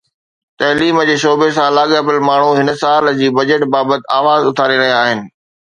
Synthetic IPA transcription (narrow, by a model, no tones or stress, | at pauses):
t̪ɐɦliːmd͡ʑeːʃoːbesãlaːɠəbɪlmaːɳ̤uɦɪnəsaːld͡ʑiːbɐd͡ʑəʈbaːbət̪ɪ̆aːʋaːzʊt̪ʰaːɾiɾɐɦijaaːɦɪnɪ̆